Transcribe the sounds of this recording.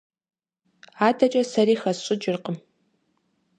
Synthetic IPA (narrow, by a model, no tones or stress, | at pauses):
aːdɐt͡ʃʼɐsɐɾiːxɐsɕʼɪd͡ʒɪrqʼəm